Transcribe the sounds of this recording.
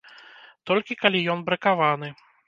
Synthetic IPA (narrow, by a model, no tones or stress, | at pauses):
t̪ɔlʲkʲikalʲijɔnbɾɐkavanɨ